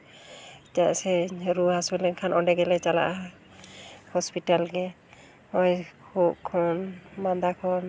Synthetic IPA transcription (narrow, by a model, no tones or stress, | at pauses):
tasɛɾuɦasɛlɛnkʰanʔɔnɖɛɡɛlɛt͡ʃala̰ʔa | hɔspiʈalɡɛ | ɔjkʰuʔkʰɔnmand̪akʰɔn